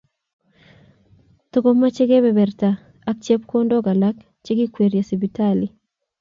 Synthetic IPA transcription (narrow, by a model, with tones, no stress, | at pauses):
to˦ɡo˦mːa˦t͡ʃe˦ɡe˦bɛ˨bɛ˨rta˨ | a˦k̚t͡ʃe˦p̚ko˦ndɔ˦ɡa˨la˦k | t͡ʃe˦ɡi˦kwe˨ɾja˨si˨bi˨ta˦li˨